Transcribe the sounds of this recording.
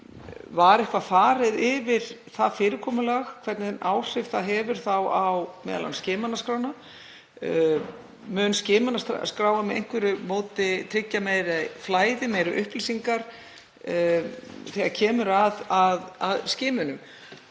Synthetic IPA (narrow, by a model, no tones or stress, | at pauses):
vaɾɛhkvafaːɾɪðɪvɪɾ̥θaðfɪːɾɪkʰɔːmʏlaxkʰvɛɾt̪nɪnʔaːwr̥ɪv̥θaðɦɛvʏɾ̥θawawmɛ̰ðala̰nscɪːmanaskɾaːwna | mʏnscɪːmanast̪skɾaːwvamɛðḛjŋ̥kvɛɾʏmoːwt̪ɪt̪ʰɾɪcːameːjɾaflaːjðɪmeːjɾʏʔʏhplisiŋkaɾ̥ | θɛɣaɾcʰɛːmʏɾaðaðaðscɪːmʏnʏm